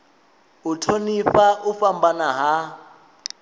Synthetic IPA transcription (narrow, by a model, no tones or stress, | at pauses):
utʰonifaʔufambanaɦa